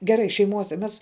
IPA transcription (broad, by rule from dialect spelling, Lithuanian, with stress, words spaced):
ɡʲɛˈrɐɪ ʃʲɛɪˈmuɔsʲɛ ˈmʲɛs